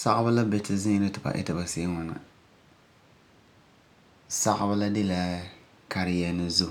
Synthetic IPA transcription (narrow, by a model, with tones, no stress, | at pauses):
sa˦ʔba˦la˦bɛ˨tɪ˨zɪ˦ɨ˦tɨ˨ba̰˨ʔɪ̰˦ta˨ba˨se˦ŋa˨na̰˨ | sa˦ʔba˦la˦de˦la˦ | ka˨ɾɪ˨jɛ˨nɨ˨zu˦